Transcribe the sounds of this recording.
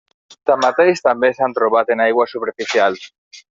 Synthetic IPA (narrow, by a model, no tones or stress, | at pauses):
t̪amat̪ejst̪ambesant̪ɾoβat̪enajɣwasupeɾfiθjal